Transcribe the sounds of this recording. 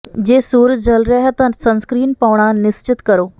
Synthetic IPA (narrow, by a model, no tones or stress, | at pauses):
d͡ʑesuːɾd͡ʑəlɾɛɦt̪ənsə̃ñskɾiːnpaʋɳ̃anɪst͡ɕɪt̪kəɾo